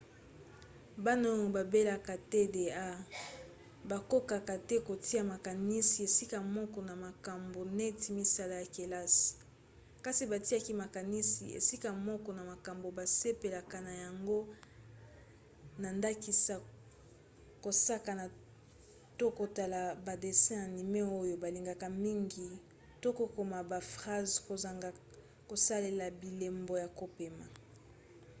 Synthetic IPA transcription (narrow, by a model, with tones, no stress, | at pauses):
ba˦na˦jo˨ba˨be˦la˨ka˨tɛ˦de˨a˦ | ba˨ko˦ka˨ka˨tɛ˦ko˨tʰi˦a˨ma˨ka˨ni˦si˨e˨si˦ka˨mɔ˦kɔ˨na˨ma˨ka˨mbo˨nɛ˦ti˨mi˦sa˦la˨ja˨ke˨la˦si̥˨ | ka˦si˨ba˨ti˦a˦ki˦ma˨ka˨ni˦si˨ḛ˨si˦ka˨mɔ˦kɔ˨na˨ma˨ka˨mbo˨ba˨se˦pe˨la˨ka˨na˨ja˨ŋɡo˦ | na˨nda˦ki˦sa˨ | ko˨sa˦ka˨na˨ | to˦ko˨ta˨la˨ba˨de˨sɛ̃˦na˨ni˨me˦o˦jo˨ba˨li˨ŋɡa˨ka˨mi˦ŋɡi˨ | to˦ko˦ko˨ma˨ba˨fʁa˦zko˨za˨ŋɡ | ko˨sa˦le˨la˨bi˨le˨mbo˨ja˨ko˦pe˨ma˨